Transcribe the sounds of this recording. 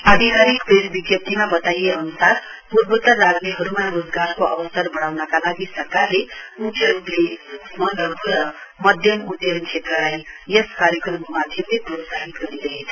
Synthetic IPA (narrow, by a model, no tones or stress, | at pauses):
ad̪ʱikaɾikpesbiɡjʌp̚t̪imabʌt̪ajeʌnusar | puɾbut̪ːaɾad͡zmiɦʌɾumarud͡zɡarkoʔʌ̰bʌsʌrbʌɽ̃awnʌkalaɡisʌrkarleukʰeɾuplesmʌnʌɡuɾʌmʌd̪ʱjʌmut̪jʌnt͡sʰet̪rʌlajeskaɾjʌkrʌmomad̪ʱjʌmleɡuɾosaɦit̪ɡʌɾid̪ʌɦet͡sʰʌ